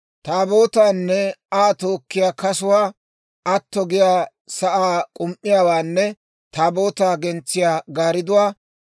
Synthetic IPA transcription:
t̪aːbo̞ːt̪aːnːɛaːt̪o̞ːkːɪjaːkɐsʊwaː | ɐt̪ːɔɡɪjaː | sɐʔaːkʼʊmʔːɪjaːwaːnːɛ | t̪aːbo̞ːt̪aːɡɛnt͡sːɪjaːɡaːɾɪd̪ʊwaː

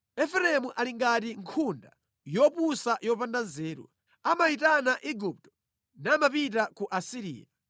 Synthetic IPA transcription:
ɛfɛɾɛmuʔaliŋɡat̬iŋkʰunda | jɔpusajɔpandanzɛːɾṵ | amaitanaʔiɡup̚tɔ̥ | namapitakuʔasiɾḭːja

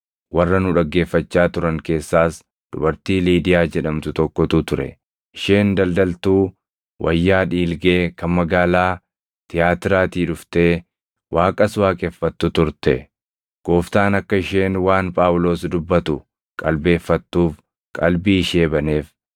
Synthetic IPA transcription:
wɐrːɐnʊᶑɐɡːe̞ːfːɐt͡ʃːaːt̪ʊɾɐŋke̞ːsːaːs | d̪̥ʊ̰bɐɾt̪iːliːd̪ɪjaːd͡ʒɛᶑɐmt̪ʊt̪ɔkːɔt̪ʊt̪ʊɾɛ̰ | ʔɪʃe̞ːnd̪ɐld̪ɐlt̪uː | wʔɐ̰jːaːᶑiːlɡe̞ːkɐnmɐɡaːlaː | t̪ɪjaːt̪ɪɾaːt̪iːᶑʊft̪e̞ː | wʔaːkʼɐswaːkʼɛfːɐt̪ːʊt̪ʊɾt̪ɛ | ɡ̥o̞ːft̪aːnɐkːɐɪʃe̞ːnwaːnpʼaːwlo̞ːsd̪ʊbːɐt̪ʊ | kʼɐlbe̞ːfːɐt̪ːuːf | kʼɐlbiːʃeːbɐne̞ːf

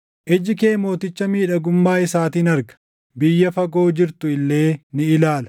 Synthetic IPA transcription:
ʔɛd͡ʒɪkeːmo̞ːt̪ɪt͡ʃːɐmiːᶑɐɡʊmːaːɪsaːt̪iːnɐɾɡɐ̥ | bɪjːɐfɐɡo̞ːd͡ʒɪɾt̪ʊɪlːe̞ːnɪɪlaːlɐ̥

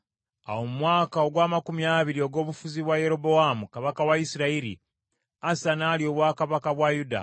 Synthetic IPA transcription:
a̰wo̞mumwaːkao̞ɡwaːmakumijaːβiɾio̞ɡo̞ːβufuziβwaje̞ɾo̞bo̞amukaβakawaisiɾaiɾḭ | asanaːljo̞ːβwaːkaβakaβwajuda̰

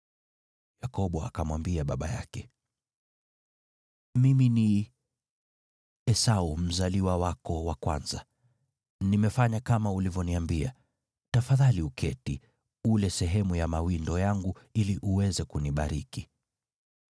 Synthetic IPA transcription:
jakɔɓɔa̰kamwambiaɓaɓa̰ja̰kɛ | mimini | ɛsaum̩zaliwawakɔwakwa̰nza | nimɛfaɲakamaulivjɔniambia̰ | tafaðaliukʰɛti | ulɛsɛɦɛmujamawindɔjaŋɡuiliʔuwɛzɛkuniɓaɾiki

